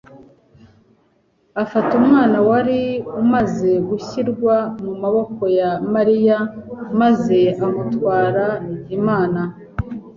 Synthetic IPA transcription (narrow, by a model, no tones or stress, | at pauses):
afatumŋaːnawaɾiumaze̞ɡuçiɾɡwamumaβo̞ko̞jamaɾijamaze̞amutwaːɾaiɟimaːna